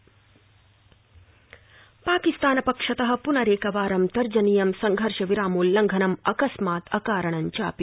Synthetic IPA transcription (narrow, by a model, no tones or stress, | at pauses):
paːkist̪aːnɐpɐkʂɐt̪ɐɦɐ̆punɐɾeːkɐʋaːɾɐmt̪ɐɾd͡ʒɐnijɐmsɐŋɡʱɐɾʂɐʋiɾaːmuːlːɐŋɡʱɐnɐmɐkɐsmaːt̪ɐ̰kaːɾɐɳɐɲt͡ʃaːpi